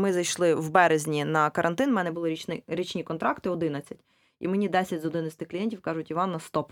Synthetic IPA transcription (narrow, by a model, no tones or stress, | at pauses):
mɪzɐjʃlˠɪwbɛɾezʲnʲinɐkɐɾʔɐnt̪ɪnwmɛnɛbʊlˠɪɾʲinɪɾʲit͡ʃnʲikɔnt̪ɾɑkt̪ɪɔd̪ɪnɐt͡sʲɐtʲ | ḭmenʲid̪ɛsʲɐtʲzɔd̪ɪnɐt͡sʲsʲt̪ɪxklʲijɛnʲtʲiwkɑʒʊtʲiʋɑnːɐst̪ɔp